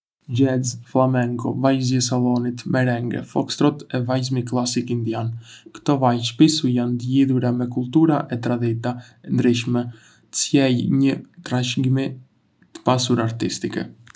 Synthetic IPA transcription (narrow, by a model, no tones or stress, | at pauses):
d͡ʒɛzflˠamɛŋɡɔ̰vajzjɛsalɔnit̪mɛɾɛŋɡɛ̰fɔ̰kst̪ɾɔt̪ɛvajzmiklˠasikind̪iankə̥t̪ɔvajʃpisujant̪əjiðuɾamɛkulˠt̪uɾaʔɛt̪ɾad̪it̪a | ɛnd̪ɾiʃmɛ | t̪ə̥sjɛjɲət̪ɾaʃŋɡmi | t̪ə̥pasuɾaɾt̪ist̪ikɛ̰